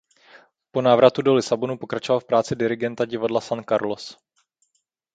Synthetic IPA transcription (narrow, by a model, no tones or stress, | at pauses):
ponaːvɾat̪udo̞lɪsabo̞nupo̞kɾat͡ʃovalfpɾaːt͡sɪdɪɾɪɡɛnt̪aɟɪvadlasankaɾlo̞s